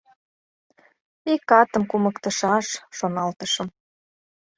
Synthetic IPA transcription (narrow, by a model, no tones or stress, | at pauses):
ikɑt̪ə̆mkuməkt̪əʃɑʃːonɑlt̪əʃə̆m